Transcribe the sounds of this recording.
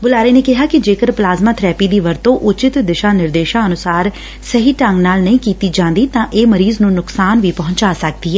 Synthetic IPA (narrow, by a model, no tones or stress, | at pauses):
bʊlaːɾeːneːkɪɦaːkɪd͡ʒeːkəɾplaːzmaːt̪ʰɾɛːpiːd̪iːʋəɾt̪õːʔʊt͡ʃɪt̪d̪ɪʃaːnɪɾd̪eːʃãːənʊsaːɾ | səɦiːʈə̃ŋɡnaːlnəĩːkiːt̪iːd͡ʒãːnd̪iːt̪ãːʔeːməɾiːznũːnʊksaːnʋiːpɔɦʊ̃ɲt͡ʃaːsək̚d̪iːɛː